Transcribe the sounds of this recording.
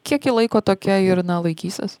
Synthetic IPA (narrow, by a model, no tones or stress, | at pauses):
kʲiɛkjɪlˠɐɪkoːt̪oːkʲɛɪɾnɐlˠɐɪkʲiːsʲɛs